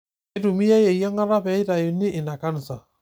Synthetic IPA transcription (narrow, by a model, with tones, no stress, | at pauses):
e˦du˨mi˦ja˦je˨ja˦ŋa˦ɾa˦bɛ˨˦ɪ˦da˨jʊ˨ni˦ʔɪ˨na˨ka˦n˨sa˨